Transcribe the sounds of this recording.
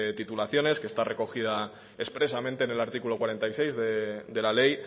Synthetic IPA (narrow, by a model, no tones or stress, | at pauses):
t̪it̪ulaθjo̞ne̞ske̞st̪are̞ko̞xiða | e̞spɾe̞samẽnt̪eːne̞laɾt̪ikulo̞kwaɾe̞nt̪ajsejzðed̪e̞lale̞j